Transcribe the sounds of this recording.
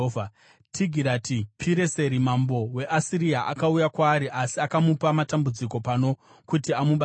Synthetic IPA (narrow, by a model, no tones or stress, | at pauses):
va | tʰiɡʱiɾatʰipʰiɾe̞se̞ɾimambo̞we̞ʔasiɾiaʔakaujakwaːɾiʔasiakamupamatambud͡ziko̞pano̞ | kutiamuɓa